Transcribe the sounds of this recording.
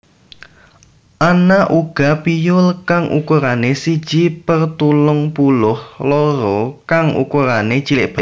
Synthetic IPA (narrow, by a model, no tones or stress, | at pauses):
ʔanaʔuɡ̥apijʊlkaŋʔṵkuɾanesid̥ʒ̥ipərt̪ulʊŋpulʊhloɾɔkaŋʔṵkuɾanet͡ʃilɪʔb̥a